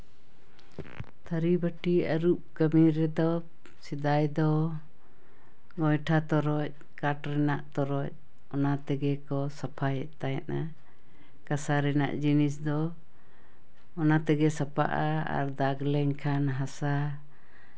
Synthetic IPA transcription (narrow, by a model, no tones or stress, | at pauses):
t̪ʰaɾibəʈiaɾuʔkamiɾɛd̪ɔ | sid̪ajd̪ɔ | ɡɔjʈʰat̪ɔɾɔc̚ | kaʈɾɛnaʔt̪ɔɾɔc̚ | ɔnat̪ɛɡɛkɔsapʰajɛʔt̪ajɛʔa | kasaɾɛna̰ʔd͡ʒinis̬d̪ɔ | ɔnat̪ɛɡɛsapa̰ʔaa̰ɾd̪aɡlɛŋkʰanɦasa